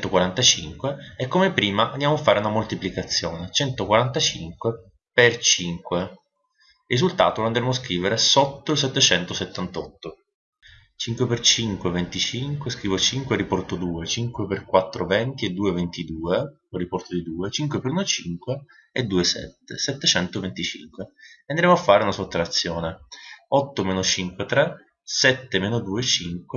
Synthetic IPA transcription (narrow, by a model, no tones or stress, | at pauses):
t̪okwaɾant̪at͡ʃḭŋkweɛkːomepɾiːmaʔand̪jamoafːaːɾeunamolt̪iplikat̪sːjoːnet͡ʃɛnt̪okwaɾant̪at͡ʃiŋkwe | pert͡ʃiŋkwe | rizult̪a̰ːt̪oland̪ɾemos̬kɾiːveɾesɔt̪ːoils̬ɛt̪ːet͡ʃɛnt̪oset̪ːant̪ɔt̪ːo | t͡ʃiŋkwepert͡ʃiŋkwevent̪it͡ʃiŋkweskɾiːvot͡ʃiŋkweɾipɔrt̪od̪uːet͡ʃiŋkweperkwat̪ːɾovɛnt̪ied̪ːuːevent̪id̪uːe | rːipɔrt̪od̪id̪uːet͡ʃiŋkwepeɾunot͡ʃiŋkweː | d̪ːuːesɛ̰t̪ːḛsɛt̪ːet͡ʃɛnt̪ovent̪it͡ʃḭŋkweand̪ɾemoafːaːɾeunasot̪ːɾat̪sːjɔːneɔt̪ːomeːnot͡ʃiŋkwet̪ɾɛ | sɛt̪ːemeːnod̪uːet͡ʃiŋkwe